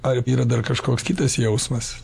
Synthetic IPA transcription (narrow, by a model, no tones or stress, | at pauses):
ɐɾiːɾɐd̪ɐrkɐʃkoːkskʲiːt̪ɐsjɛʊsmɐs